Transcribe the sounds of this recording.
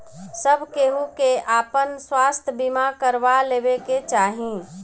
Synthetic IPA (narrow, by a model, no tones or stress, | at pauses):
səbʱkeɦukeʔaːpənswaːst̪ʰbimakəɾʋaleːbeket͡ʃaːɦĩ